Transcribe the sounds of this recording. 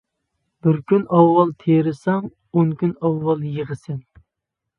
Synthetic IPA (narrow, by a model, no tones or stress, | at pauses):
b̥ɪɾkʲynɑwːɑlˠt̪ʰeɾɪsɑŋ | oŋkʲynɑwːɑlˠjəʁəsɪn